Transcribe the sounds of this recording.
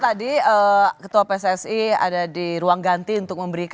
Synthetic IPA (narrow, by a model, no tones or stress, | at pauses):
t̪adiəkət̪uapesɛsia̰dadiɾuaŋɡant̪iunt̪ʊk̚məmbəɾik